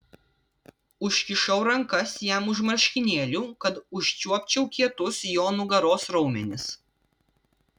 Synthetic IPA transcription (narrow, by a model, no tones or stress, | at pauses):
ʊʃʲkʲɪʃɐʊɾɐŋkɐsjæˑmʊʒmɐɾʲʃʲkʲɪnʲeːlʲuːkɐt̪ʊʃʲt͡ʃʲuɔpʲt͡ʃʲɛʊkʲiɛt̪ʊsjoːnʊɡɐɾoːsɾɒʊmʲɛnʲɪs